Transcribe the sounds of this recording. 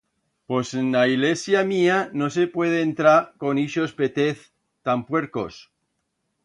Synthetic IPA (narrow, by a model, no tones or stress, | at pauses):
posenːaiɣlesjamiano̞sepwe̞ð̞eːnt̪ɾako̞niʃo̞spet̪eθ | t̪ampwe̞ɾko̰s